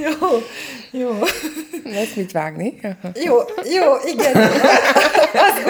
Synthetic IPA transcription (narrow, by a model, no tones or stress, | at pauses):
joːjoː | lɛsmit̪ʋaːɡnijoːjoːʔiɡɛn | ɒzb